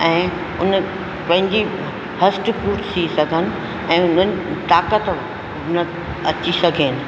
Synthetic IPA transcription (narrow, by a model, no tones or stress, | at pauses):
ɛ̃ː | ʊn | pɐ̃ɦɪ̃ɲd͡ʑi | ɦɐsʈfuːʈsʰisɐɡʱənɪ̆ | ɛ̃ːʊnən̆t̪aːkət̪ | nɐ | ɐt͡ɕisɐɡʱeːnɪ̆